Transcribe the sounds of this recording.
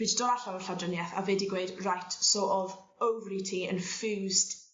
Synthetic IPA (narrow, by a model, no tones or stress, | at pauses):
ɪddɔɾaɬawəɬawdrənjɛθa̰vɛdiɡweɨdrajtʰsɔʔɔv | owvlitʰiə̰nfʉːzd